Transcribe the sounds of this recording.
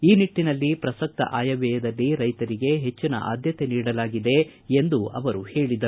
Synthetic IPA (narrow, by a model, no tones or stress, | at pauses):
iːniʈːinɐlːipɾɐsɐk̚t̪ɐ̰ʔaːjɐʋɛːjɐd̪ɐlːiɾɐjt̪ɐɾiɡe̞ɦe̞t͡ʃːinɐ̰ʔa̰ːd̪ʱjɐt̪e̞niːɽɐlaːɡid̪e̞end̪uɐʋɐɾuhe̞ːɭid̪ɐɾu